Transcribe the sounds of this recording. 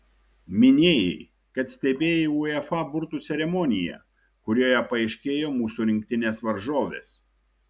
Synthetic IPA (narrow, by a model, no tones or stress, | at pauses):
mʲɪnʲeːjɛ̰ɪ | kɐt̪sʲt̪ʲɛbʲeːjeuːɛfɐbʊɾt̪uːt̪sʲɛɾʲɛmɔnʲɪjɛ̰ | kʊɾʲoːjɛpɐɛɪʃʲkʲeːjoːmuːsuːɾʲɪŋʲk̚ʲt̪ʲɪnʲeːsʋɐɾʒoːʋʲḛːs